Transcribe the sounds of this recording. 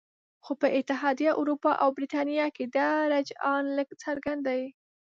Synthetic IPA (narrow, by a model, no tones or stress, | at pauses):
xopəʔɪt̪ɪɦɑd̪ijaʔʊɾupɑʔawbɾit̪ɑnijɑked̪aɾad͡ʒɑnləɡt͡səɾɡand̪awi